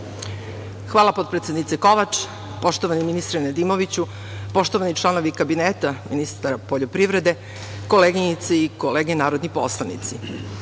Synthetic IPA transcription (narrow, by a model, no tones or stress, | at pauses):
xʋaːlˠapo̞t̪pɾet̪sed̪nit̪seko̞ʋat͡ʃ | po̞ʃt̪oʋaniminist̪ɾened̪imo̞ʋit͡ɕu | po̞ʃt̪oʋanit͡ʃlˠano̞ʋikabineːt̪aminist̪aɾapo̞ʎopɾivɾe̞d̪e̞ | ko̞leɡiɲit̪seiko̞leːɡenaːɾod̪nipo̞̰slˠanḭt̪si